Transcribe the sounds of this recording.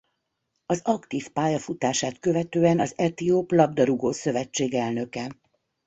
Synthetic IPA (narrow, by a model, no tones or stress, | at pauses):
ɒzɒkt̪iːfpaːjɒfut̪aːʃaːt̪kø̞vɛt̪øːɛnɒzɛt̪ioːplɒb̚d̪ɒɾuɡoːsø̞vɛt͡ʃːeːɡɛlnø̞kɛ